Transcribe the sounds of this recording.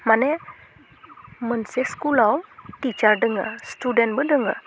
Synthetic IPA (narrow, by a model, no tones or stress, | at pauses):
mane | mənseskulawt̪it͡ʃardəŋə̰st̪udɛnbədəŋə